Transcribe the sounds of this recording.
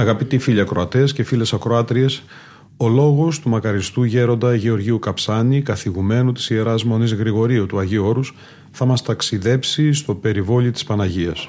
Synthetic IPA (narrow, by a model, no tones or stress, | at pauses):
ɐɣɐpit̪ifiʎiɐkɾo̞ɐt̪esce̞file̞sɐkɾoɐt̪ɾie̞s | o̞lo̞ɣo̞st̪umɐkɐɾist̪uʝe̞ɾo̞nd̪ɐʝeo̞ɾʝiukɐpsɐnikɐθiɣume̞nut̪i̥sie̞ɾɐzmo̞nizɣɾiɣo̞ɾiut̪uɐʝio̞ɾus | θɐmɐst̪ɐksiðe̞psist̪o̞pe̞ɾivo̞lit̪i̥spɐnɐʝiɐs